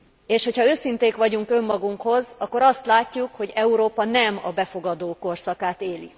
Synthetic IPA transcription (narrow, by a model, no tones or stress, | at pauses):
eːʃho̞chɒøːsint̪eːkʋɒɟuŋkø̞mːɒɡuŋkho̞zɒkːoɾɒst̪laːcːukho̞ɟɛuɾoːpɒnɛmɒ̰bɛfo̞ɡɒd̪oːko̞rsɒkaːt̪eːlḭ